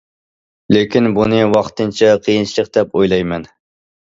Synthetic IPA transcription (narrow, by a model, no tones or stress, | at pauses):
lekʲinbunɨwɑχt̪ɨnt͡ʃʰɛqʰijint͡ʃʰilˠəq̚d̪̥ɛpojlˠɑjmɛn